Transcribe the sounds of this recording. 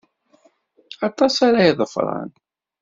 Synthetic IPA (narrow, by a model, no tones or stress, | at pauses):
ɑt̪ˤɑsaɾajiðˤəfɾˤɑ̰n